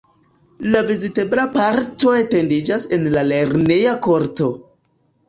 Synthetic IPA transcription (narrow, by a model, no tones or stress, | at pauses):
lavizite̞blapaɾto̞e̞te̞ndid͡ʒase̞nlale̞ɾnejako̞ɾto̞